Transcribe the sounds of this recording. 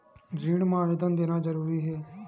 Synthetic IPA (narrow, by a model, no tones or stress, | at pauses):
d͡ʒiːɽmaːɾəd̪ənd̪eːnaːzəɾuːɾiːɦɛː